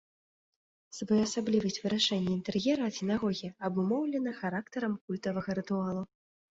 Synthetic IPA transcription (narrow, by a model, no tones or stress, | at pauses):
sbɔjɐsablʲivɐsʲt͡sʲvɨɾaʂɛnʲːɛint̪ɛrjʲɛɾɐɐsʲɛnaɣɔɣʲijɐɐbumɔwlʲɛnɐxaɾakt̪ɐɾɐmkulʲt̪ɐvɐɣɐɾɨt̪ualˠu